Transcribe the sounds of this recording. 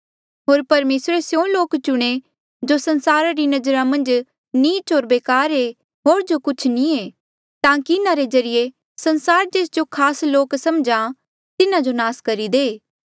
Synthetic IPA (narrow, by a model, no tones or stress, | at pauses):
ɦoːɾpɐɾmeːsɾesjõːloːkt͡ʃʊɽ̃e | d͡ʒosɐnsaːɾaɾinɐd͡ʒəɾamɐ̃nd͡ʒ | niːt͡ʃɦoːɾbeːkaːɾe | ɦoːɾd͡ʒokʊt͡ʃʰnĩeː | t̪ãːkiɪnãɾed͡ʒɐɾɪje | sɐ̃nsaːɾd͡ʒeːsd͡ʒokʰaːsloːksɐmd͡ʒã | t̪ɪnãd͡ʒonaːskɐɾid̪eː